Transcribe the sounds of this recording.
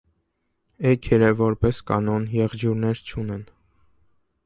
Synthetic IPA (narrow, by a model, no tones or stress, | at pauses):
ɛkʰɛɾəvɔɾpɛskɑnɔnjɛʁd͡ʒuɾnɛɾt͡ʃʰunɛn